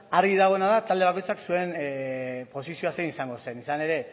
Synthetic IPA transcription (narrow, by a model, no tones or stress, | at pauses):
aɾɣiðaɣ̞o̞enaðat̪ald̪e̞ako̞jt͡saksue̞n | po̞sisio̞aseinisaŋɡo̞se̞nisane̞ɾe̞